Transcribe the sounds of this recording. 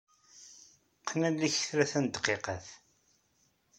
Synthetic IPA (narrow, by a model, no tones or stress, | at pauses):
qːnælːiçθɾæθænd̪qːeqɑθ